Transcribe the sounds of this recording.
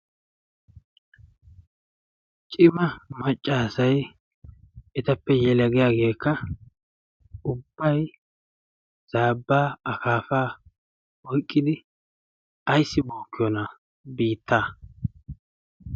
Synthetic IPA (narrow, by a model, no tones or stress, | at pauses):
t͡ʃʼɪmɐmɐt͡ʃʼːaːsɐj | ɛt̪ɐpːɛjɛlɐɡɪjaːɡe̞ːkːɐ | ʊbːɐj | z̥aːbːaːɐkaːfaː | ɔjkʼːɪd̪ɪ | ɐjsːɪboːkːɪjɔnɐ | biːt̪ʰːaː